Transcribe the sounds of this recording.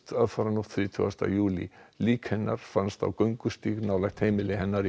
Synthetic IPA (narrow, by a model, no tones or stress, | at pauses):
t̪aðfaɾanut̪θɾiːt̪ʰʏ̰ast̪a̰juːlḭliːkhɛnːaɾ̥fanst̪a̰wkœɥŋkʏst̪iːɣnaːwlɛxt̪hejmɪlɪɦɛnːaɾ